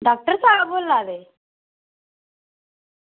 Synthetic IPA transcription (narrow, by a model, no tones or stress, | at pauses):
ɖak̚ʈəɾsabolːad̪e